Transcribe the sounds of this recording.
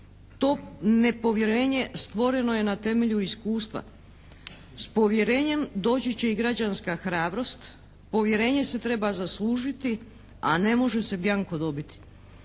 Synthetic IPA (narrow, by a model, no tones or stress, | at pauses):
t̪o̞ːne̞po̞ʋje̞ɾe̞ːɲe̞st̪ʋo̞ɾe̞no̞je̞nat̪e̞me̞ʎuiskuːst̪ʋa̰ | spo̞ʋje̞ɾe̞ːɲe̞md̪o̞ːt͡ɕet͡ɕe̞iɡɾad͡ʑanskaxɾaːbɾo̞st̪ | po̞ʋje̞ɾe̞ːɲese̞t̪ɾe̞bazaslˠuːʒit̪i | a̰ne̞mo̞ʒe̞se̞bjaŋko̞d̪o̞bit̪i̥